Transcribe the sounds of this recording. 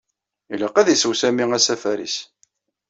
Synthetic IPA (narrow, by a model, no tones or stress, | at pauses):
ilaqæðisəwsæmiŋæsæfæɾḭs